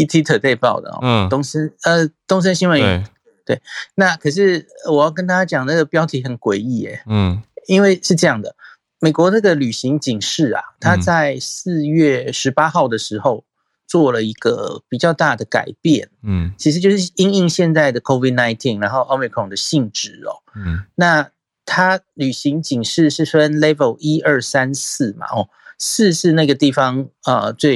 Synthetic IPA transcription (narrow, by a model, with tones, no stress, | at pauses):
i˥t̪ʰi˧˥t̪ʰɤ˨˩t̪e˥˧ɪpɑ˥˩ʊd̪ə̰˩ɔ̰˨˩t̪o˥ŋsə˥nə˧t̪ʊ˥ŋs̬ə˥nɕi˥nwə˧˦˧ | t̪we˥˩ɪna˥˨kʰɤ˨˩ʂ̬ɻ̩˥˩əwɔ˨˩jɑ˥˩kə˥nt̪a˥˩t͡ɕja˥t͡ɕjɑ˨˩ŋnna˥ɡə˩pjɑ˥ʊt̪ʰi˧˥xə˨˩nkwe˨˩ɪi˥˩ḛ˨˩i˥nwe˥˧ɪʂɻ̩˥˧ʈ͡ʂɤ˥˧jɑ˥˩ŋd̪ə˩ | me˨˩kwɔ˧˥na˥˩ɡə˨ly˨˩ɕi˧˥ŋt͡ɕi˨˩ŋʂɻ̩˥˩a̰˩t̪ʰa˥t͡sa˥˧ɪsɹ̩˥˧ɥɛ˥˩ʂɻ̩˧˥pa˥xɑ˥˩ʊd̪ə˩ʂɻ̩˧˥xo˥˧ʊ | t͡swɔ˥˩lə˩i˧˥ɡ̥ə̰˧pi˨˩t͡ɕjɑ˥˧ʊt̪a˥˩d̪ə˩ka̰˨˩ɪpjɛ˥˨˩nt͡ɕʰi˧˥ʂ̬ɻ̩˧t͡ɕjo˥˧ʊʂɻ̩˥˩i˥ŋi˥˧ŋɕjɛ˥˧nt͡sa˥˩ɪd̪ə˩kʰo˥ʊvi˥˩na˧˥ɪt̪ʰi˥˩nɻa˧˥nxo˥˩ʊo˥ʊmi˨˩kʰɔ˨˩ŋd̪ə˩ɕi˥˧ŋʈ͡ʂɻ̩˨˩ɔ̰˩na˥˩ | t̪ʰa˥ly˨˩ɕi˧˥ŋt͡ɕi˨˩ŋʂɻ̩˥˧ʂɻ̩˥˩fə˦˥nle˥ɪvə˨˩ʊi˥ʔə˞˥˩sa˦˥ns̩˥˩ma̰˩ʔɔ˨˩ | sɹ̩˥˧ʂɻ̩˥˧na˥˩ɡə˩t̪i˥˩fɑ˦ŋə˧t͡swe˥˩ɪ